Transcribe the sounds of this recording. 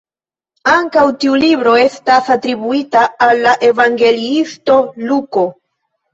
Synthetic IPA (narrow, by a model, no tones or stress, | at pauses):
aŋkawtiulibɾo̞e̞stasatɾibuitaːlːaʔe̞vaŋɡe̞liisto̞luko̞